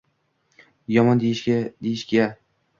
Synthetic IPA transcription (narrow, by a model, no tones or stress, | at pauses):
jɒmɒnd̪ejɪʃʲad̪ejɪʃɡʲa